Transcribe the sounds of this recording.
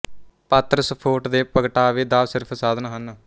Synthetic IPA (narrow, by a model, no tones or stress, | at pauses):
pət̪ɾəspʰoːʈd̪eːpəɡʈaːʋiːd̪aːʋsɪɾpʰsaːd̪ənɦən